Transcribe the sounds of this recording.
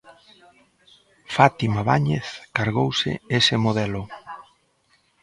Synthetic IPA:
fat̪imaβaɲeθkaɾɣowsɪ̰esɪmoðɛlʊ

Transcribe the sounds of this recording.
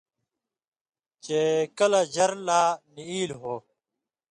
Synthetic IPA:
t͡ɕekɐlad͡ʑɐɾlaːniiːlɦoː

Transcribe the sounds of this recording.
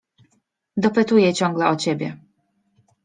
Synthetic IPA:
d̪ɔpɘt̪ujɛt͡ɕɔŋɡlɛʔɔt͡ɕebʲjɛ

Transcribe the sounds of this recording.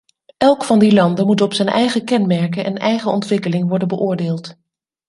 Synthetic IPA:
ʔɛlˠkfɑndilɑndəmutɔpsɛjnʔɛjχəkɛnmɛɹkəʔɛnɛjχəɔntʋɪkəlɪŋʋɔɹdənbəʔʊːɹdeːlˠt

